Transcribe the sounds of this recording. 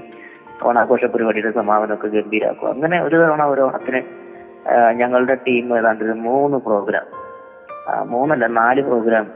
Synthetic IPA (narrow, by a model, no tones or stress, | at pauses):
o̰ːɳaːɡo̞ːʂɐpːoɾubɐɽiɽesɐmaːʋɐnokːeɡembiɾa̰ːkːṵɐ̰ŋːɐne̞o̞ɾuðoːɳaoːɾoːɐ̰t̪ːɐnɨ | ɲɐŋːɐɭuɽe̞ʈiːmeðaːɳɖoɾumuːnːɨpro̞ːɡɾa̰ːm | muːnːɐlːɐnaːlɨpro̞ːɡɾaːm